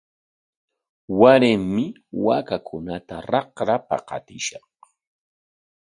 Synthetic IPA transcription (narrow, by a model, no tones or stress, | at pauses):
waɾɪmmɪ | wakakʰʊnat̪aɾɑqɾapa̰qɑ̰t̪ɪʃɑχ